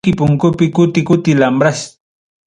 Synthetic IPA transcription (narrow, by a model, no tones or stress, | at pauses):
kɪpʊŋkʊpɪkʊt̪ɪkʊt̪ɪlambɾas